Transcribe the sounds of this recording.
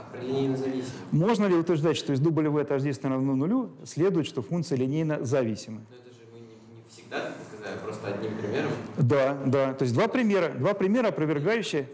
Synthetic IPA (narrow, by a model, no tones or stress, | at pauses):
plʲɪnʲejnəzɐvʲisʲmo̞ʐnəlʲɪʊt̪vʲɪɾrʐd̪atʲʂt̪o̞ɪzd̪ublʲɪvɨɐt̪ɐʐd̪ʲist̪nɾɐd̪nunʊlʲusʲlʲe̞d̪ʊjt̪ʂt̪ofunk̪t̪sɨjəlʲɪnʲejnəzɐvʲisʲɪməɛt̪əʐɨmɨɪnʲɪfsʲɪɡ̚d̪at̪skɐzalʲɪpɾost̪əɐd̪ʲnʲimpɾʲɪmʲeɾəmd̪ad̪at̪o̞js̬ʲd̪vapɾʲɪmʲe̞ɾəd̪vapɾʲɪmʲe̞ɾəɐpɾəvʲɪrɡajʉɕːɪjə